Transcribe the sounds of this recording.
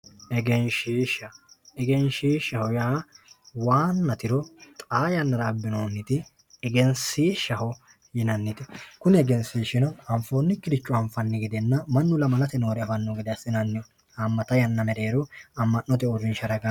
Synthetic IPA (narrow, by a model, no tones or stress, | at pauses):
ɛɡɛnʃiːʃɐɛɡɛnʃiːʃɐhɔjaːwaːnːɐt̪ɪɾɔt̪ʼaːjɐnːɐɾaːbːɪnoːnːɪt̪ɪ | ɛɡɛnsiːʃɐhɔ | jɪnɐnːɪt̪ɪkʊnɪɛɡɛnsiːʃɪnɐnɐmfoːnːɪkːɪɾɪt͡ʃːʊɐɱfɐnːɪɡɪd̪ɛnːɐmɐnːʊlɐmɐlɐt̪ɛno̞ːɾɛɐfɐnːɔɡɪd̪ɪɐsɪnɐnːɪɔ | ɐmːɐt̪ɐjɐnːɐmɛɾeːɾɔɐmːɐnːɔt̪ɛɔɾɪnʃɐɾɐɡɐ